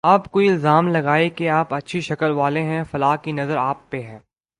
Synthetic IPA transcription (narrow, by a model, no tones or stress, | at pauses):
aːpkoːiɪlzaːmlɐɡaːekeaːpɐtːʃʰiʃɐkəlʋaːleɦɛ̃fɐlaːɦkinɐzəɾaːpːeɦɛ̃ː